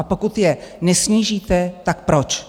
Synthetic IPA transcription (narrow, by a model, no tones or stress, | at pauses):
apo̞kut̪jɛnɛsɲiːʒiːt̪ɛt̪ak̚pɾot͡ʃ